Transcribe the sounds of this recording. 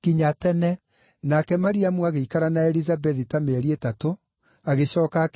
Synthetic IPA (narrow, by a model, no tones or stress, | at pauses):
kiɲatɛnɛ | nakɛmaɾiamuaɣeikaɾanaɛɾizabɛðitameɛɾietato | aɣeɕɔːkak